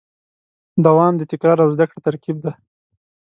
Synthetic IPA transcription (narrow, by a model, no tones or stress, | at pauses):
d̪awɑmd̪ət̪ɪkɾɑɾawzd̪akɽat̪aɾkib̚d̪a